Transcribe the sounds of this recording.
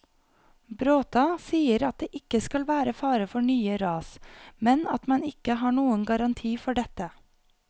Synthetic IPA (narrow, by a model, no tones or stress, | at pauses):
bɾoːt̪ɑsiːəɾɑt̪̚d̪eːʔɪkəskɑlʋæːɾəfɑːɾəfɔɳyːəɾɑːsmɛnɑt̪mɑnɪkəɦɑːɳuːənɡɑɾɑnt̪ʰiːfɔɖɛt̪ə